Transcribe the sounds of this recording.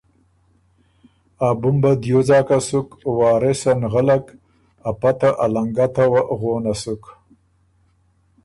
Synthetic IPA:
abʊmbad̪jozɑːkasukwɑːɾesanɣalak | apat̪aʔalaŋɡat̪awaɣoːnasuk

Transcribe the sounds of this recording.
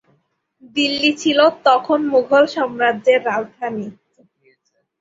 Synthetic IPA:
d̪ilːit͡ɕʰilot̪ɔkʰonmuɡʱolʃɔmɾadʑeɾːald̪ʰʱani

